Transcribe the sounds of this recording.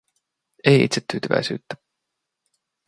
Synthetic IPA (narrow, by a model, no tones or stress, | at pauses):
ejḭt̪set̪ːyːt̪yvæ̰jsy̰ːt̪ːæ